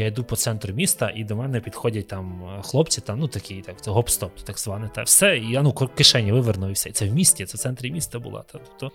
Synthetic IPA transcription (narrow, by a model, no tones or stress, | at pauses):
jaid̪upɔt̪sɛnt̪ɾʊmʲist̪ɐʔid̪ɔmɛnɛpʲid̪xɔdʲɐt̚ʲt̪ɑmxlˠɔpt͡sʲit̪ɑmnut̪ɐkʲʰɪjt̪ak̪ɛɦɔpst̪ɔp̚t̪t̪ɐɡzʋɑnɪt̪ɑ̰wsɛiɐnukɔkɪʃɛnʲːɐʋɪʋernʊɪwsʲɛit̪sɛwmʲisʲtʲit̪ɛt̪sɛnt̪ɾʲimʲist̪ɐbʊ̰lˠɑ̰t̪ɑt̪u̥pt̪ɔ